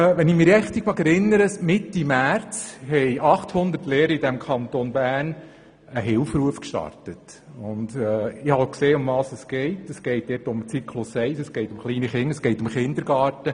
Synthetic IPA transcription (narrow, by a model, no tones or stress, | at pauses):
ʋɛnɪmɪɾjɛχt̪iɡ̥ʋɑkɛɾɪnːəɾəsmɪtːimæɾt͡shɛɪʔɑχthʊnd̪əɾtleːɾəidæmkʰχɑntonbæːɾn | əɦɪlfɾuəfkʃtɑ̰ɾtət | ʊnd̪ɛɪhɑkseːʊmʋɑːsəsɡ̥ɛɪtəsɡ̥ɛɪt̚d̥̪ɛːtʊmt͡sikʰlʊsɛɪsəsɡ̥ɛɪtʊmχliːniχɪŋːəsɡ̥ɛɪtʊmχɪnd̪əɾɡɑːtə